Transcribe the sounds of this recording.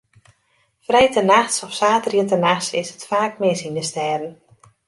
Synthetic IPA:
frɛjtənaxsɔfsaːtərjətənaxsɪsətfaːk̚mɪsindəstɛːdən̩

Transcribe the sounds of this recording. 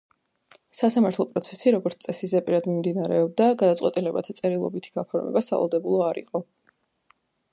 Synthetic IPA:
sasamaɾt̪ʰlˠɔpʼɾɔt̪sʰɛsiɾɔɡɔɾt̪sʼɛsizɛpʼiɾad̪mimd̪inaɾɛɔb̚d̪aɡad̪at̪sʼwɛt̪ʼilɛba̰t̪ʰat̪sʼɛɾilˠɔ̰bit̪ʰi̥ɡ̥apʰɔɾmɛ̰basa̰va̰lˠd̪ɛbulˠɔaɾḭqʼɔ

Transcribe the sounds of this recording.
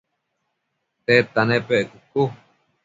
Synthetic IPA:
t̪et̪anẽpeʔekuku

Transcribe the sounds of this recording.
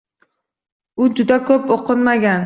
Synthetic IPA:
ʊd͡ʒʊd̪akʰɵpoqʰɨnmaɡʲan

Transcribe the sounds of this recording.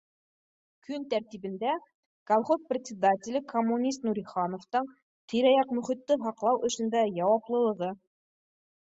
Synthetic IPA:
kʰɵnt̪æɾt̪iβɘ̆nd̪æ | ɡ̥ɐlˠχosprʲɪt̪ʲsʲɪd̪atʲɪlʲɘkʰɐmːunʲist̪nuɾʲiχɑnoft̪ɤɴ | t̪iɾɑjɑqmɵ̆χit̪ːɘɦɑqlˠɑwʔɵ̆ʃɵ̆nd̪æjɑwɑplˠɤ̆lˠɤ̆ʁɤ

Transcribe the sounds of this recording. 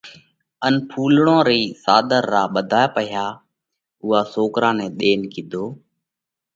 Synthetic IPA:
ənpʰuːlɳõːɾiːsaːd̪əɾːaːɓəd̪ʱaːjpəjaː | ʊɦaːsoːkɾãːnɛ̃ːɗ̪eːnkiːd̪ʱoː

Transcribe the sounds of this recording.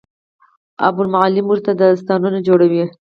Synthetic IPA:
a̰bʊlmaʕɑlɪmwuɾt̪ad̪əst̪ɑnunad͡ʒoɽawi

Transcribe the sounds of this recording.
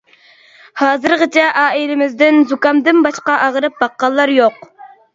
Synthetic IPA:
hɑːzɨɾʁət͡ʃʰɛʔɑːilɪmɪzd̪ɪnzukɑmd̪ɪnbɑʃqɑʔɑʁɾɨp̚bɑqːɑlˠːɑɾjoq

